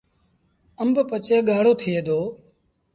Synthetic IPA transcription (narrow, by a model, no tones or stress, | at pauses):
əmbpət͡ʃeːɠaːɽoːt̪ʰɪeːd̪ʱoː